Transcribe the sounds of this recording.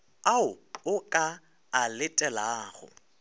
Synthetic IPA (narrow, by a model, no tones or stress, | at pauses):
aʊʊkʼa | alɪtʼɛlaːɣʊ̰